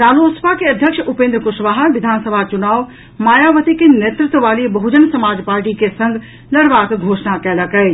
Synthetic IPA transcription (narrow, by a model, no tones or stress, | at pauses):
ɾaːloːspakeɐd̪ʱjəkʃʊpẽːnd̪ɾəkʊʃʋaːɦəʋɪd̪ʱaːnsəbʱat͡ʃʊnaːʋ | maːjaʋət̪ikeneːt̪ɾɪt̪wʋaːlibɐɦud͡ʒənsɐmaːd͡ʒpaːɾʈikesɐ̃ŋɡ | lɐɽʋaːkɡʱoːʃnakɛləkɛ